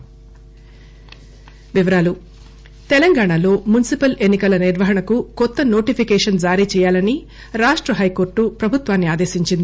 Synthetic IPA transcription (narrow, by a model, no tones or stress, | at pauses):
ʋiʋɐɾaːlu | t̪ɛlɐŋɡaːɳalo̞ːmunisipɐlenːikɐlɐniɾʋɐɦɐɳɐkukɔt̪ːɐno̞ːʈipʰikɛːʂɐnd͡ʒaːɾit͡ʃɛːjaːlɐni | ɾaːʂʈɾɐɦɐjko̞ːɾʈːupɾɐbʱut̪ʋaːnːiaːd̪e̞ːsiɲt͡ʃind̪i